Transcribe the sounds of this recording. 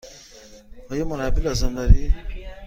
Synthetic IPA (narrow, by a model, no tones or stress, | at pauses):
həjomɐɾabilazɐnd̪aɾi